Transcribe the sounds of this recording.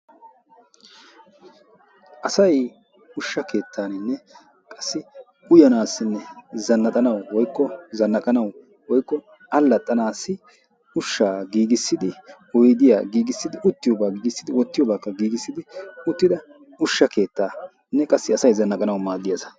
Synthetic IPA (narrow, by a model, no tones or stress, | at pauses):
ʔɐsɐj | ʊʃːɐkʰe̞ːt̪ʰːaːnɪnːɛ | kʼɐsːɪ | ʊjɐnaːsːɪnːɛzɐnːɐt̪ʼɐnɐwwɔjkːɔzɐnːɐkʼɐnɐw | wɔjkːɔ | ɐlːɐt̪ʼːɐnaːsːɪ | ʊʃːaːɡiːɡɪsːɪd̪ɪ | ɔjd̪ɪja̰ːɡiːɡɪsːɪd̪ɪʊt̪ːɪjɔːbaːɡiːɡɪsːɪd̪ɪwɔt̪ːɪjɔːbaːkːɐɡiːɡɪsːɪd̪ɪʊt̪ːɪd̪ɐ | ʊʃːɐke̞ːt̪ːaː | nːɛkʼɐsːɪɐsɐjzɐnːɐkʼɐnɐwʊmaːd̪ːɪjɐzɐ̥